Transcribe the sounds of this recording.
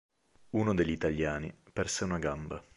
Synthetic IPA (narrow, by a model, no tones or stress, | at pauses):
uːnod̪eʎːit̪aʎːaːnḭpɛrseunaɡamba